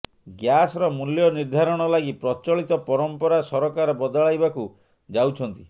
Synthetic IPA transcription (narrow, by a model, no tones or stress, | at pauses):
ɡjasɔɾɔmuljɔniɾd̪ʱaɾɔɽ̃ɔlaɡipɾɔt͡ʃɔɭit̪ɔpɔɾɔmpɔɾasɔɾɔkaɾɔbɔd̪ɔɭajbaku | d͡ʒawt͡ʃʰɔnt̪i